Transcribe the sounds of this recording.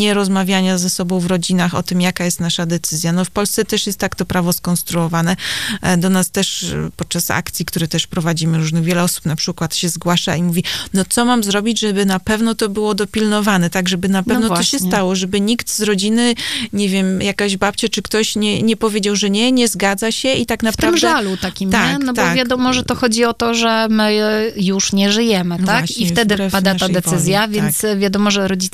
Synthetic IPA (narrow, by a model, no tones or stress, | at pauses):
ɲɛɾɔzmavʲjaɲazɛsɔbɔ̃w̃vɾɔd͡ʑinaxɔ̰t̪ɘmjakajɛst̪naʂad̪ɛt̪sɘzʲjanɔfpɔlst̪sɛt̪ɛʂjɛst̪ːakt̪ɔpɾavɔskɔnst̪ɾuɔvanɛd̪ɔnast̪ɛʂpɔt̪̚t͡ʂasa̰kt̪sʲjikt̪uɾɛt̪ɛʂpɾɔvad͡ʑimɘɾuʐnɘɣvʲjɛlɛɔsu̥pnapʂɘkwat̪ɕɛzɡwaʂa̰imuvʲinɔt̪sɔmamzɾɔbʲid͡ʑʐɛbɘnapɛvnɔt̪ɔbɘwɔd̪ɔpʲilnɔvanɛt̪aɡʐɛbɘnapɛvnɔt̪ɔɕɛstt̪awɔʐɛbɘɲikt̪zɾɔd͡ʑinɘɲɛvʲjɛmjakaʑbap̚t͡ɕat͡ʂɘkt̪ɔɕɲɛɲɛpɔvʲjed͡ʑawʐɛɲɛɲɛzɡad̪zaɕɛʔit̪aknafpɾamd̪ɛalutt̪akʲimt̪aɛnɔbt̪ɔvʲjad̪ɔmɔʐɛt̪ɔxɔd͡ʑiɔt̪ɔʐɛmɘjuʂɲɛʐɘjɛmɘt̪aaiɛftɛd̪ɘpad̪aaɛsɘzʲjavʲjɛnsvʲjad̪ɔmɔʐɛɾɔd͡ʑi